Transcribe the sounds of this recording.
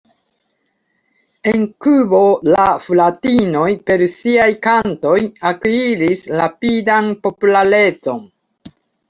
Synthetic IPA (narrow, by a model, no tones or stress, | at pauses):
e̞nkubo̞laflatino̞jpe̞ɾsiajkanto̞jakiɾisɾapidanpo̞pulaɾe̞t͡so̞n